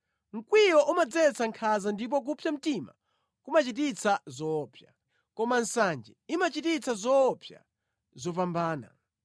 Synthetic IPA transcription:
ŋ̩kwiɾɔʔumad͡zɛt͡sʰaŋkʰazandip̬ɔk̬upʰjam̩tima̰ | kumat͡ʃit̬it͡sʰazɔːpʰja̰ | kɔmansand͡ʒɛimat͡ʃitit͡sʰazɔpʰja̰ | zɔpambaːna̰

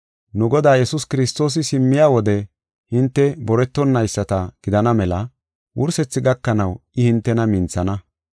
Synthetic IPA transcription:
nʊɡɔd̪aːjɛsʊskɪɾɪst̪o̞ːs̬ɪsɪmːɪjaːwɔd̪ɛ | hɪnt̪ːɛbɔɾɛt̪ːɔnːɐjsːɐt̪ɐɡ̥ɪd̪ɐnɐmɛlɐ | wʊɾsɛt͡sːɪɡɐkːɐnɐwɪhɪnt̪ːɛnɐmɪnt͡sːɐnɐ

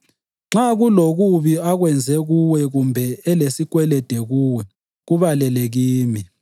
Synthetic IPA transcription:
ŋ͡ǁaɣuloɣuβiaɣwɛnd͡zʱɛɣuwɛɣumbʱɛɛlesikwɛlɛd̥ʱɛɣuwɛ | ɣuβalɛlɛɣiːmi

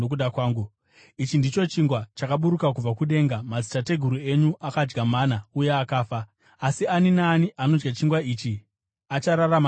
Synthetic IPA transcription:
okuɗakwaːŋɡu | it͡ʃindit͡ʃo̞t͡ʃiŋɡwat͡ʃakaɓuɾukak̬ub͡vakuɗe̞ːŋɡamazitate̞ɡʱuɾue̞ɲuʔakad͡ʒɡamanaujeakaːfa | asianinaːniʔano̞d͡ʒɡat͡ʃiŋɡwaiːt͡ʃi | at͡ʃaɾarama

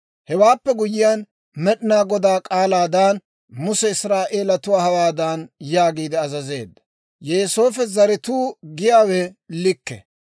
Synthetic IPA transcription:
hɛwaːpːɛɡʊjɪjan | mɛɗɪnaːɡɔd̪aːkʼaːlaːd̪aːn | mʊsɛɪsɾaːʔeːlɐt̪ʊwaːhɐwaːd̪aːnjaːɡiːd̪ɪɐzɐze̞̰ːd̪ːɐ̥ | jeːsoːfɛzɐɾɪt̪uːɡɪjaːwɛlɪkːɛ̰

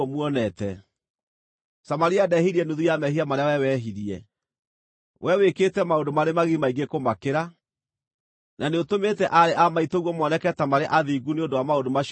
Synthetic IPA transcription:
ɔmuɔnɛtɛ | samaɾiadɛhiɾiɛnuðujamɛhiamaɾeawɛwɛɦiɾiɛ | wʔɛweketɛmaodomaɾemaɣimaiɡekomakeɾa | naneotometɛʔaɾeʔamaitoɣwɔmɔnɛkɛtamaɾeʔaðiːɡuneondowamaondomaʃ

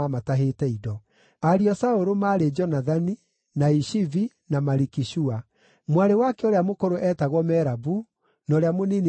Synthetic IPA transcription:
amataɦetɛidɔ | aɾiɔsaoɾomaːɾed͡ʒɔnaðani | naiʃivi | namaɾikiʃua | mwaɾewakɛoɾeamokoɾoʔɛtaɣwɔmɛɾabu | nɔːɾeamonin

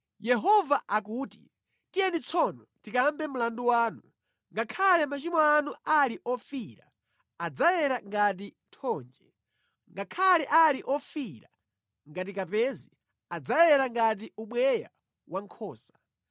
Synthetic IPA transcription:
jɛɦɔvaʔakuːti | tijɛnit͡sʰɔnɔtikambɛmulanduwaːnu | ŋɡakʰalɛmat͡ʃimɔanualiʔɔfiɾa̰ː | d͡zajɛɾaŋɡat̬i | tʰɔːnd͡ʒɛ | ŋɡakʰalɛʔaliʔɔfiɾa̰ | ŋɡat̬ikapɛzi | ad͡zajɛɾaŋɡat̬iuɓwɛja̰ | waŋkʰɔːsḁ

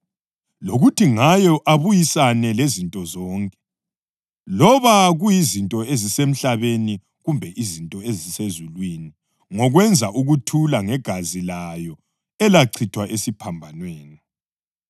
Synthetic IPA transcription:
loɣutʰiŋajɔʔaβujisanɛlezintʼɔzɔːŋkʼɛ̥ | lɔβaɣujizintʼɔezisem̩ɬaβeni | ɣumbʱɛʔizintʼɔezisezulwini | ŋɔɣwɛnd͡zʱaʔuɣutʰulaŋɛɡ̥ʱazilajɔ | ɛlaǀʰitʰwaʔesipʰambʱanweːna

